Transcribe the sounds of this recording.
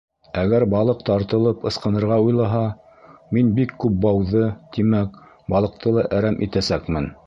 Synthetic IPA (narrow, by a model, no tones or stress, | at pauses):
æɡæɾbɑlˠɤqt̪ɑɾt̪ɤ̆lˠɤpɤ̆sqɤ̆nɤ̆ɾʁɑujlˠɑɦɑ | minbikːʉp̚bɑwðɤt̪imæk | bɑlˠɤ̆q̚t̪ɤlˠɑʔæɾæmʔit̪æsækmɘn